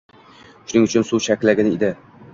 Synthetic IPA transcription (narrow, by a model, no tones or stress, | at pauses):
ʃʊnɪŋʊt͡ʃʰʊnsuʃakʲlaɡʲɪnɪed̪ɪ